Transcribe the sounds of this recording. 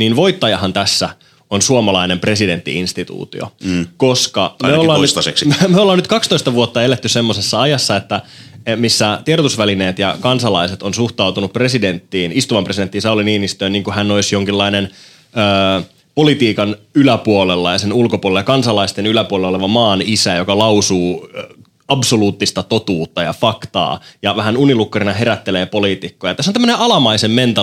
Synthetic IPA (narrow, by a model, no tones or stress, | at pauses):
niːnʋo̞it̪ːɑjɑɦɑnt̪æsːæ | onsuomɑlɑinempre̞side̞nt̪ːḭinst̪it̪ṵːt̪ḭo̰koskɑmmeollːɑːnnsseksmeolːɑːnyt̪kɑkst̪oist̪ɑʋuot̪ːɑelet̪ːyssemːosesːɑɑjɑsːɑet̪ːæmisːæt̪ieɾot̪usʋæline̞ːt̪jɑkɑnsɑlɑiset̪onsuht̪ɑuwt̪unupːre̞sident̪ːiːnist̪uʋɑmpresident̪ːinsɑuliniːnist̪øːniːŋkuhænːoisjoŋkilːɑinen | øː | po̞lit̪iːkɑnylæpuolelːɑjɑsenulkopulelːjɑkɑnsɑlɑist̪enylæpuolelːoleʋɑmɑːnisæjokɑlɑusuː | ɑbsoluːt̪ːist̪ɑt̪o̞t̪uːt̪ːɑjɑ̰fɑkt̪ɑ̰ːjɑʋæɦænunilukːɑrinɑɦeɾæt̪ːeleːpo̞liːt̪ikːojɑt̪æsːont̪æmːəneʔɑlɑmɑisemːent̪ɑ